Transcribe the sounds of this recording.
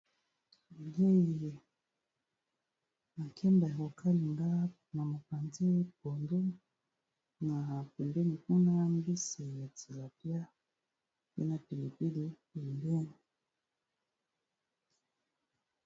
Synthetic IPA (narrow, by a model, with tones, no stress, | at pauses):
ɡe˦ji˨ | na˨kʰɛ˦mba˨kɔ˨kʰa˦li˨ŋɡa˦ | na˨mu˨pa˨nze˦pɔ˨ndɛ˦ | na˨pɛ˨ndɛ˦ni˨ku˦na˦m˦bi˦se˨ja˨t͡si˨la˨pja˦ | wɛ̰˦na˨pi˨li˨pi˦li˦pɛ˨mbɛ˦ni˨